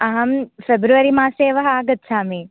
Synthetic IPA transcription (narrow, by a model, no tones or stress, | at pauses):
ɐɦɐmfebɾuʋɐɾimaːseːʋɐɦɐaːɡɐt̪saːmi